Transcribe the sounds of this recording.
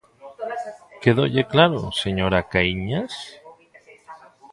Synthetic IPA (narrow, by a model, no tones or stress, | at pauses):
keðoʎeklaɾo̰seɲoɾakaiɲas